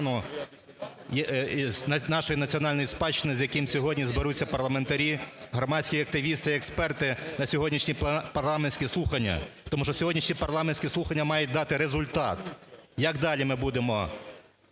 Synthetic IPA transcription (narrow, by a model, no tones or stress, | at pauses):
nʊ | j | nɑʃɔjinɐt͡sʲiɔnɑlʲnjispɑt͡ʃːɪnɪzjɐkɪmsʲɔɦɔdʲnʲizbeɾut͡sʲːɐpɐrlˠɐme̞nt̪ɐɾʲiɦɾɔmɑsʲkʲijɐk̚t̪ɪʋʲist̪ɪɛkspɛrt̪ɪnɐsʲɔɦɔdʲnʲiʃnʲipɐrlˠɑmenʲsʲkʲislˠuxɐnʲːɐ̰t̪ɔmuʃt͡ʃɔsʲɔɦɔdʲnʲiʃnʲipɐrlˠɑmenʲsʲkʲɛsˠuxɐnʲːɐmɑjʊt̚ʲd̪ɑt̪ɪɾezʊlʲt̪ɑt̪jɐɡd̪ɑlʲimɪbud̪emɔ